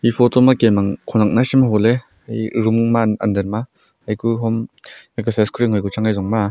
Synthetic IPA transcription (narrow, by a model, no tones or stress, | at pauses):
ipʰɔtɔmakemaŋkʰɔnak̚nasimaɦɔle | ajɾummaa̰ndeɾma | ajkuɦɔmekasʰeskʰɾiŋhɔjkut͡ʃaŋajzɔŋma